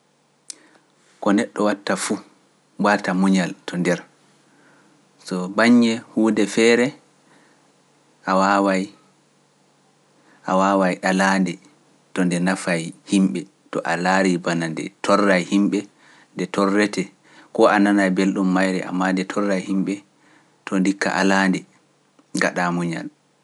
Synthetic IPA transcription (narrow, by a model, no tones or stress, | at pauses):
kɔnɛɗːɔwatːafu | batamuɲaltʰɔndɛɾ | sɔbaɲːɛhuːdɛfɛːɾɛ | ʔawawaj | ʔawawajɗalandɛ | tɔndɛnafajhimɓɛ | tɔʔalaɾibanandɛ̰tʰɔrːajhimɓɛ | ndɛtʰɔrːɛtɛ | kɔananajbelɗumːajɾɛʔa̰mːandɛtʰɔrːajhimɓɛ | tʰɔndikːa̰ʔa̰laːndɛ | ŋɡa̰ɗamuɲal